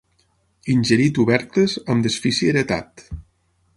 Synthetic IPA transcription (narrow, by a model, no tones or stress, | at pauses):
inʲʒəɾit̪uβɛɾt̪əzəmd̪əsfisiəɾət̪a̰t̪